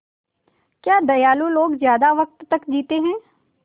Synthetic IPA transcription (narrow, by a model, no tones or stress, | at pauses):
kjaːd̪ɐjaːluloːɡzjaːd̪aʋək̚t̪ːəkd͡ʒiːt̪eɦɛ̃ː